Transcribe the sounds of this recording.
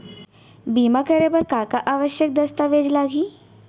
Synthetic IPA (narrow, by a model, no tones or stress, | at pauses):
biːmakəɾepəɾkakaʔaːʋəʃjək̚d̪əst̪aʋed͡ʒlaːɡʱiː